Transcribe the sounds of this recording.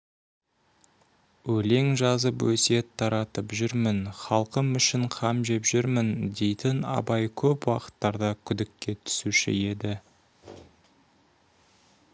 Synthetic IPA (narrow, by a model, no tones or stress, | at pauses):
wɵle̞ŋʒɑzəpwɵse̞t̪ʰːɑɾɑt̪əpʒʏɾmɪnχɑlˠqəmʏʃɪɴqʰɑmʒe̞pʒʏɾmɪnd̪e̞jt̪ɪnɑ̰bɑjkʲʰɵpwɑqə̥t̪ːɑɾd̪ɑkʲʰʏd̪ɪkʲːe̞t̪ʰʏ̥suʃɪ̰je̞d̪ɪ